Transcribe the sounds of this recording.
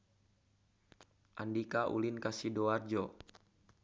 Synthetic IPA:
ʔandikaʔṵlinkasidoard͡ʒo

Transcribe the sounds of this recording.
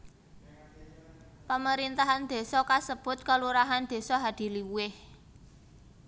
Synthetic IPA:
paməɾint̪aɦand̪̥e̤sɔkasəb̥ʊ̤t̪̚kaluɾaɦand̪̥e̤sɔɦad̪̥i̤liwuɪh

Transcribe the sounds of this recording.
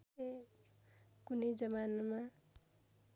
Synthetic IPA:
e | kunəjd͡ʒʌmanma

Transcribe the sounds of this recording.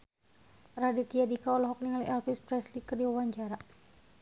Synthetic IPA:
radit̪iadikaɔlɔɦɔk̚niŋaliʔɛlpispɾɛslikərdiwawaɲt͡ʃaɾa

